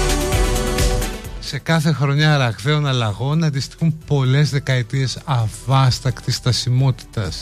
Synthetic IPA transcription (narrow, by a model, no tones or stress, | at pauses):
se̞kɐθe̞xɾo̞ɲɐːɾɐɣθe̞o̞nɐlɐɣo̞nɐnd̪ist̪i̥xumpo̞le̞zðe̞kɐet̪ie̞sɐvɐst̪ɐkt̪ist̪ɐsimo̞t̪i̥t̪ɐs